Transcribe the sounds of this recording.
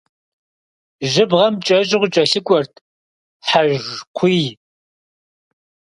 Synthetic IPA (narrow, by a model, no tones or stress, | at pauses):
ʒɪbʁɐmt͡ʃʼɐʒʼɪʁʷʊt͡ʃʼɐɬɨkʷʼɔrtʰ | ħaʒqʷʰiːj